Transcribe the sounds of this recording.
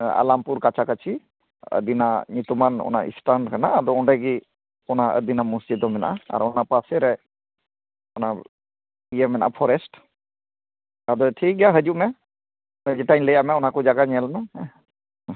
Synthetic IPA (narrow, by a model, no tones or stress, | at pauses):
a̰lampuɾkat͡ʃʰakat͡ʃʰi | ə̰d̪inaɲut̪umanɔ̰na̰ḭsʈaɳɖkanaːd̪ɔɔɳɖaɡi | ɔnaə̰d̪inamusd͡ʒid̪ɔmɛna̰ʔaa̰ɾɔnapasɛɾɛ | ɔna | ijɛmɛnaʔa̰pʰɔɾɛsʈ | ad̪ɔʈʰik̚ɡjaɦəd͡ʒuʔmɛ | ɛd͡ʒɛʈaɲləjamɛɔnakɔd͡ʒaɡaɲɛlana